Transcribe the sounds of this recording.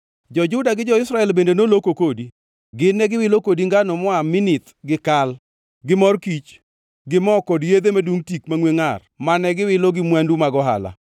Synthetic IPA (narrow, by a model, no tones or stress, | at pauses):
d͡ʒɔd͡ʒʊdaɡɪd͡ʒɔɪsɾaɛlbendenolokokodi | ɡɪnːɛɡɪwɪlokodiŋɡanɔmɔamɪnɪt̪ | ɡɪkal | ɡɪmɔrkit͡ʃ | ɡɪmɔkɔdjed̪emaduŋtikmaŋweŋar | manɛɡɪwɪloɡɪmwandumaɡɔɦa̰la̰